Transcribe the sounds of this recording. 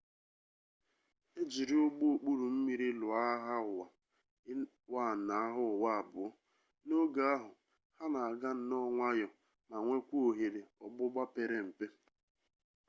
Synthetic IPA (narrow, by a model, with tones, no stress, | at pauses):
e˦d͡ʒi˨ɾi˦o˦ɡ͡bo˦o˨k͡pu˦ɾu˨m̩˦mi˨ɾi˦lʊ˨a˦ɦa˦ʊ˨wa˨˦ | wa˦˨na˨a˦ɦʊ˦ɔ˨wa˦a˨bʊ˨ɔ˦ | no˦ɡa˨˦a˦ɦʊ˨ | ha˦na˨a˨ɡa˦n̩˨nɔ˦ŋʷa˦jɔ˨ | ma˨ŋʷe˦kʷu˦o˨ɦe˨ɾe˨ɔ˨ɡ͡bʊ˦ɡ͡ba˦pe˨ɾe˨m̩˨pe˦